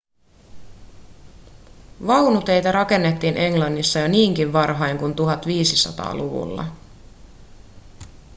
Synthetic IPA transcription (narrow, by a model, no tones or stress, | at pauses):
ʋɑwnut̪e̞jt̪ɑɾɑke̞nːet̪ːiːnʔe̞ŋlɑnːisːɑjo̞niːŋkiʋʋɑrɦɑjŋkunt̪uɦɑt̪ʋiːsisɑ̰t̪ɑ̰ːluʋṵlːɑ̰